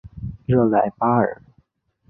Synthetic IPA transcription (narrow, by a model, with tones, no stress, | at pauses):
ɻɤ˥˩la˧˩˦ɪpa˥ə̰˞˨˩˦